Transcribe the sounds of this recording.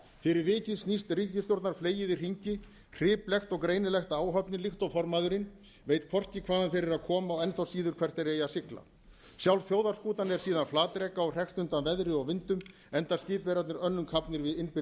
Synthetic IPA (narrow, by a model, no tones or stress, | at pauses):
fɪɾɪɾvɪːcɪðsnist̪ric̪ɪst̪jowɾt̪naɾ̥fleːjɪðɪr̥iɲcɪ | r̥ɪːplɛxt̪ɔɣkɾeːjnɪlɛxt̪aːwɦœpnɪlixt̪ɔɣfɔɾmaːðʏɾɪn | veːjt̪̚kʰvɔr̥cɪkʰvaːðanfɪɾɪɾaðkʰɔːmaɔwɛnθawsiːðʏɾkʰv̥ɛr̥t̪ɛɾeːjasɪkla̰ | sjawlfjoːwðaɾskuːt̪anɛɾ̥siːðanflaːt̪ɾɛːkaɔwr̥ɛkst̪ʏnt̪anvɛðɾɪɔɣvɪnt̪ʏm | ɛnt̪ascɪːpvɛɾat̪nɪɾœnːʏmkʰapnɪɾvɪðɪnpɪ